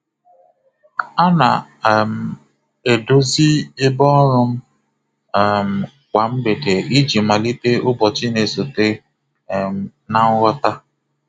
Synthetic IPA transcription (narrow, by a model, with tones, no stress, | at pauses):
a˦na̰˨m̩˨ | e˨do˦zi˦ɪ˦bɔ˦ɾʊ˦m̩˦˨ | m̩˨ | kʷa˨m̩˦be˨de˨i˦d͡ʒi˨ma˨li˦te˦ʊ˦bɔ˨t͡ʃɪ˦ne˨so˨te˦˨ | m˨ | na˦ŋ̩˦ɣɔ˦ta˦